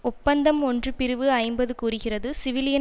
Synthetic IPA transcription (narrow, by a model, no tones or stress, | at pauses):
ʊpːɐnd̪ɐmɔndrɯpɪɾɯʋɯɐɪmbɐðɯkuːrɯɣɪrɐðɯsɪʋɪlɪjɐ